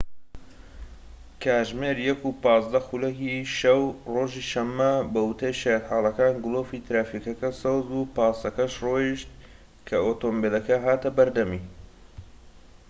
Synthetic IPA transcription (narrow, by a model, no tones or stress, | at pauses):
kʰaːʒmeːɾjɛkupɑːzd̪ɐxulɐkiʃɐwroːʒiːʃɐmːɐbɐut̪ʰɐjʃejɛt̪ħaːlɐkaːnɡʊloːfit̪ɾaːfikɐkɐsowzbupaːst̪ɐkɐʃroːjiʃt̪ | kʰɐoːt̪ombelɐkɐɦaːt̪ɐbɐɾd̪ɐmiː